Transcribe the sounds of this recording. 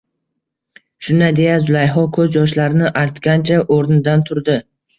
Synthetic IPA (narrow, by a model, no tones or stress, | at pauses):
ʃʊnad̪e̞jazʊlˠajɦɒkʰɵzjɒʃ̬laɾɪnɪʔaɾt̪kʲant͡ʃʰaʔoɾnɪd̪ant̪ʰʊɾd̪ɪ